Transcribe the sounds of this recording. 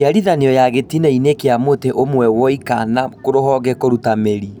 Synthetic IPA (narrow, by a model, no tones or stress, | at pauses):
aɾiðaneɔjaɣetinainekeamoteʔomwɛwɔikanakoɾoɦɔɣɛkoɾutameɾi